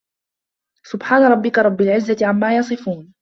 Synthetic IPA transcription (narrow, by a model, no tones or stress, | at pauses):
sʊbħaːnaɾˤɑbːɪkaɾˤɑbːɪlʕɪzːat̪ɪʕamːaːjɑsˤɨfuːn